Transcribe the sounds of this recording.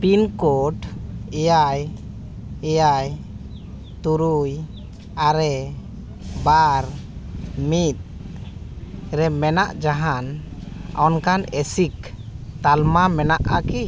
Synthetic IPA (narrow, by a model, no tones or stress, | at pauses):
pinkɔʈɛjaj | ɛjaj | t̪uɾuj | aɾɛ | baɾ | mit̪̚ | ɾɛmɛnaʔd͡ʒaɦanɔnkanɛsikt̪almamɛnaʔaki